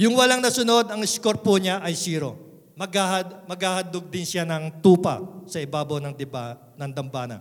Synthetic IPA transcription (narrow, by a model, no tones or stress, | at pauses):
jʊŋwɐlaŋnɐsʊno̞d̪ɐŋɪskoɾ̚poɲaʔɐjsiːɾo̞̰ | mɐɡahɐd̪mɐɡhaːhɐd̪oɡ̚d̪ɪnsjanɐŋt̪uːpɐ̰sɐɪbaːbonɐŋd̪ɪba | nɐŋd̪ɐmbaːnɐ̰